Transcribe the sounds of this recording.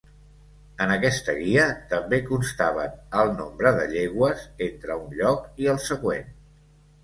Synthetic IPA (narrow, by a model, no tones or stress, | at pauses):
ənəkɛst̪əɣiət̪əmbekunst̪aβənəlˠnombɾəðəʎeɣwəzent̪ɾəunʎɔkiəlˠsəɣwen